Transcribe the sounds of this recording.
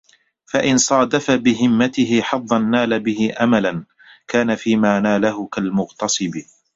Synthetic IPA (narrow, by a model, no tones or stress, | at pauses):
faʔɪnsˤɑːd̪afabɪɦɪmːat̪ɪɦɪħɑðˤːɑnːaːlabɪɦɪʔamalan | kaːnafiːmaːnaːlahʊkalmʊɣt̪ɑsˤɨbɪ